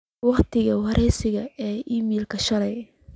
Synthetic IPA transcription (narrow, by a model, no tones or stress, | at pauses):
wɑχt̪ʰɪɣɐwɐɾʔɛjsɪɣɐɛːʔiːmiːlkʰɐʃɐlɛj